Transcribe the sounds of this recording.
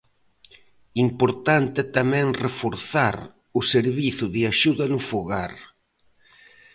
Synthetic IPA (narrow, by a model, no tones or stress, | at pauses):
impoɾt̪ant̪ɪt̪amɛ̃ŋrefoɾθaɾ | ʊseɾβiθʊðɪaʃuðɐnʊfoɣaɾ